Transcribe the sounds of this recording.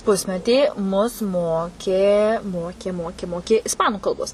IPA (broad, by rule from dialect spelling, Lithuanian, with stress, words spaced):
ˈpʊsʲmʲɛtʲiː mʊs ˈmoːkʲeː ˈmoːkʲeː ˈmoːkʲeː ˈmoːkʲɪ ɪsˈpɑːnʊ kɐlˠˈboːs